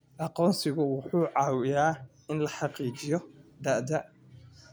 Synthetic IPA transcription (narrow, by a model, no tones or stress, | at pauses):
ʔɑqɔːnsɪɣʊwʊħuːʕɑːwɪjaː | ɪnlɐħɑqiːt͡ʃɪjɔd̪ɐːd̪ɐ